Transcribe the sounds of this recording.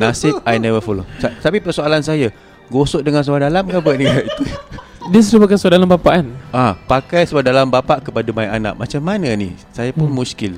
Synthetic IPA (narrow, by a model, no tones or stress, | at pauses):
nasɪp̚ajnɛvəfolosat̪apipərsoalansaja | ɡosoʔ̚dəŋans̬adalamkabuaʔniɡaʔit̪u | diəs̬əɾupakansadalambapaʔanapakajsadalambapaʔkəpadamaiʔana̰ʔ̚mat͡ʃamːananḭsajapʊnmũskɪl